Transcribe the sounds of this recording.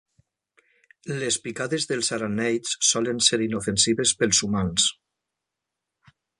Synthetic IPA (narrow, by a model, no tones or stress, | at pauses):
lespikaðezðelˠzaɾanɛjssɔlenseɾinofensiβespelˠzumans